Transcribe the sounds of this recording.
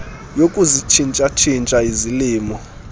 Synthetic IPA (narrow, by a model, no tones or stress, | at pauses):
jokʼuzit͡ʃʰint͡ʃʼat͡ʃʰint͡ʃʼaiziliːmɔ